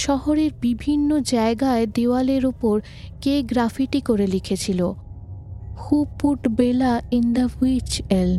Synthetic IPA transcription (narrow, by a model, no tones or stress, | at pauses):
ʃɔɦoɾeɾbibʱinːod͡ʑaeɡaed̪eoaleɾupoɾ | keɡɾafʰiʈikoɾelikʰet͡ɕʰilo | xupuʈbelaind̪aet͡ɕel